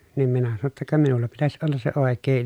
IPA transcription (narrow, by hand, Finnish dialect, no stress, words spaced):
niːm minæ sɑno tːɑ kɑ minulːɑ pitæs olːɑs se oˑekˑeː